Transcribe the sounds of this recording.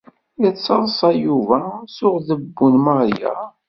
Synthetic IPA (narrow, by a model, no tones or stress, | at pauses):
ət͡sːɑðˤsˤɑjuvæsʊʁðəbːunməʁjæ̰